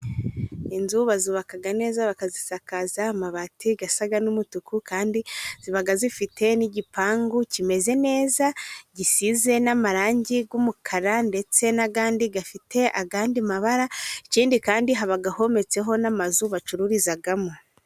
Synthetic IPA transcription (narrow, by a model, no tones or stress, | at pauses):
inzuβazuβakaɡane̞ːzaβakazisakazamaβatʰiɡasaɡanumutukʰukaːndiz̥iβaɡazifite̞niɟipʰaːŋɡucime̞ze̞ne̞ːzaɟisize̞namaɾaːɲɟiɡwumukʰaɾande̞t͡se̞naɡaːndiɡafite̞ʔaɡaːndimaβaɾaiciːndikaːndiɦaβaɡaho̞me̞t͡se̞ɦo̞namazuβat͡ʃuɾuɾizaɡamo